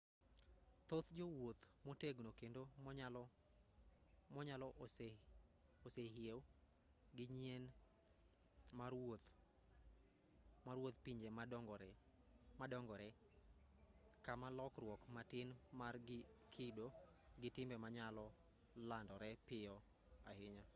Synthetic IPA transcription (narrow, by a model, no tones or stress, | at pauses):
t̪ot̪d͡ʒowot̪moteɡnokendol | mɔɲalɔʔs | oseɦjew | ɡɪɲjen | marot̪ | maɾwot̪piɲd͡ʒemadɔŋɡɔ | madɔŋɡɔɾɛ | kamalɔkrwɔkmatɪnmarɡɪkʰɪdo | ɡɪtɪmbɛmaɲalɔ | landɔɾɛpɪjɔ | ahɪɲɔ